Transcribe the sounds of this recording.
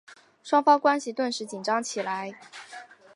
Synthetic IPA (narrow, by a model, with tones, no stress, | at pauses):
ʂwɑ˥ŋfɑ˥ŋkwa˥nɕi˨t̪wə˥˩nʂɻ̩˧˥t͡ɕi˨˩nʈ͡ʂɑ˥ŋt͡ɕʰi˨˩la˧˥ɪ